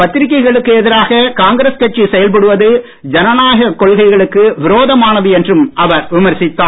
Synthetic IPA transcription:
pɐt̪ːɪɾɪk̬ːɐɪɣɐɭɯkːɯɛðɪɾaːɣɐkaːŋɡɪɾeskɐʈ̚t͡ʃːisɛjɐlpɐɽɯʋɐðɯ | d͡ʒɐnɐnaːɣɐkːɔɭɣɐɪɣɐɭɯkːɯʋɪɾoːðɐmaːnɐðɯɛndrɯmʔɐʋɐɾʋɪmɐɾsɪt̪ːaː

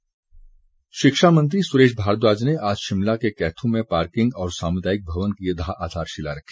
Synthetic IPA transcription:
ʃɪkʃamə̃nt̪ɾisʊɾeːʃbʱaːɾt̪̬waːd͡ʒneʔaːd͡ʒʃɪmlakekɛːt̪ʰõmẽpaːɾkɪ̃ŋɡɔːɾsaːmʊd̪aːɪk̚bʱɐʋənkied̪ʱaʔaːd̪ʱaːɾʃɪla̰ɾɐkʰi̥

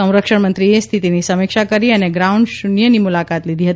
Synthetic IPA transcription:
ə̃w̃ɾəkʃəɳmənt̪ɾiest̪ʰit̪inisəmɪkʃakəɾiəneɡɾauɳɖʃunjənimulakat̪lid̪ʱiɦət̪

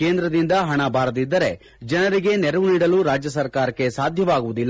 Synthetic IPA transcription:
keːnd̪ɾɐd̪ind̪ɐɦɐɳɐbaːɾɐd̪id̪ːɐɾe̞ | d͡ʒɐnɐɾiɡe̞nɛɾɐʋuniːɽɐluɾaːd͡ʒjɐsɐɾkaːɾɐkːe̞saːd̪ʱjɐʋaːɡuʋud̪ilː

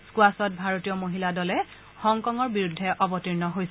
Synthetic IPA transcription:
skuasɔt̚bʱaɹotijɔmoɦiladɔlɛ | xɔŋkɔŋɔɹbiɹudʱːɛʔɔbɔtiɹnɔɦojsɛ

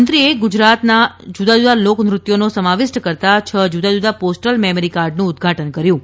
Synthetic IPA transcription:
nt̪ɾieɡud͡ʒɾat̪nad͡ʒud̪ad͡ʒud̪alokmɾʊt̪jonosəmaʋɪsʈəkəɾt̪at͡ʃʰəd͡ʒud̪ad͡ʒud̪aposʈəlmɛməɾikaɾɖnũːd̪ɡʱaʈənkəɾjũ

